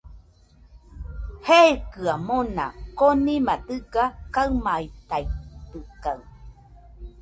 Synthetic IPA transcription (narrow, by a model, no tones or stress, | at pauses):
hekɯamona̰konĩmat̪ɨɡakaɨmait̪ajt̪ɯkaɨ